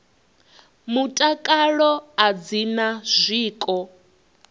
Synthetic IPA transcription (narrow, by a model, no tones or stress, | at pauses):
mutʼakʼaɺɔad͡zinaz̥ʷiːkʼɔ